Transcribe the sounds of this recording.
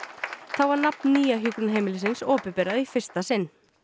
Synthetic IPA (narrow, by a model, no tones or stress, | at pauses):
θawvaɾnapnːiːjaɦjʏkʏnɦejmɪlɪs̬ɪnsɔːpɪpɛːɾaðifɪr̥st̪asɪnː